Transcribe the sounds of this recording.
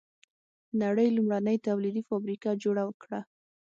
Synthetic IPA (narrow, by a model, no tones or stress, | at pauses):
naɽəjlʊmɽanəjt̪awlid̪ifɑbɾikad͡ʒoɽawəkɽa